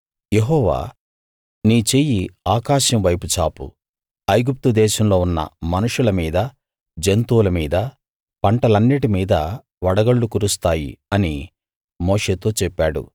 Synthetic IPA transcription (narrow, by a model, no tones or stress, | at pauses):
je̞ɦɔːʋa̰ː | niːt͡ʃe̞ːjiaːkaːʃɐmʋɐjput͡ʃaːpṵ | ɐjɡup̚t̪ud̪ɛːʃɐmlo̞ːunːɐ̰mɐnuʂulɐmiːd̪ɐ | d͡ʒent̪uːlɐmiːd̪ɐ | pɐɳʈɐlɐnːiʈimiːd̪ɐ | ʋɐɽɐɡɐɭːukuɾust̪aːjḭɐni | moːʂe̞ːt̪o̞ːt͡ʃɛpːaːɽṵ